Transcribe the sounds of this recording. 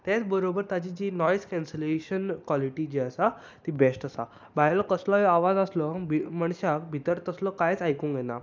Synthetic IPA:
t̪et͡sbəɾobəɾt̪jat͡ɕid͡ʑiːnɔjskɛ̃nseleɕənkwaliʈid͡ʑiəsa | t̪ibesʈəsa̰ | baɦjlɔkəslɔjaʋad͡zəslɔbʱiməɳɕakbʱit̪əɾt̪əslɔkajt͡sajkũŋkjena

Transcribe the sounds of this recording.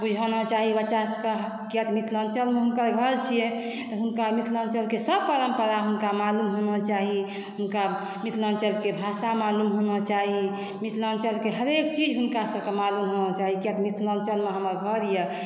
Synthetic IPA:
bud͡ʒʱanɔt͡ʃaɦibət͡ʃaskəɦ | kjət̪mit̪ʰlənt͡ʃəlmeɦunkəɾɡʱəɾt͡ʃʰije | t̪ɔɦunkamit̪ʰlənt͡ʃəlkesəbpəɾəmpəɾaɦunkamalumɦonɔt͡ʃaɦi | ɦunka | mit̪ʰlənt͡ʃəlkebʱaʃamalumɦonɔt͡ʃaɦi | mit̪ʰlənt͡ʃəlkeɦəɾekt͡ʃid͡ʒɦunkasəbkemalumɦonɔt͡ʃaɦikjət̪mit̪ʰlənt͡ʃəlmeɦəməɾɡʱəɾijɛ

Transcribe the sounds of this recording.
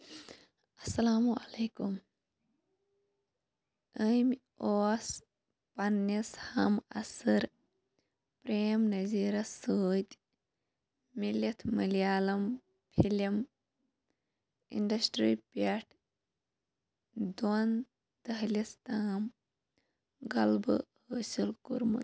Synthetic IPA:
ɐsɐlaːmuɐleːkum | əjm | oːs | pɐnːishɐmɐ̰sɨɾ | pɾeːmnɐziːɾɐsuːt̪ʲ | milʲɐt̪ʰmɨlijaːlɐm | pʰilɐm | ḭɳɖɐsʈɾiːpɐʈʰ | d̪on | d̪ɐɦlʲist̪aːm | ɡɐlbɨ̰həːsilkuɾmɨ̰

